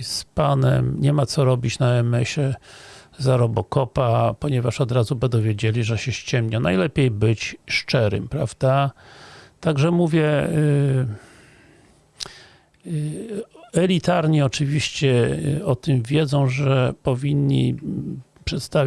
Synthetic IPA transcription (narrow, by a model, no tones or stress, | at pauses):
spanɛ̰mɲɛmat̪sɔɾɔbʲit͡ɕnaɛmɛɕɛ | zaɾɔbɔkɔpapɔɲɛvaʂɔd̪ɾazubɛd̪ɔvʲjed͡ʑelʲiʐɛɕɛɕt͡ɕɛmɲanajlɛpʲejbɘt͡ɕʂt͡ʂɛɾɘ̰mpɾavd̪a | t̪aɡʐɛmuvʲjɛ | ɛlʲit̪aɾɲiɔt͡ʂɘvʲiɕt͡ɕɛɔt̪ɘmvʲjɛd̪zɔ̃w̃ʐɛpɔvʲiɲːḭ | pʂɛt̪st̪avʲ